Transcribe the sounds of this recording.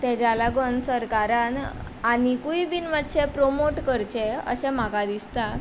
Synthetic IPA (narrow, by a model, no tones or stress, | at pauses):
t̪ɛd͡ʑalaɡonsəɾkaɾan | anikuibinʋaʈt͡ɕepɾomoʈkəɾt͡ɕeə̰ɕɛ̃m̤akad̪ist̪a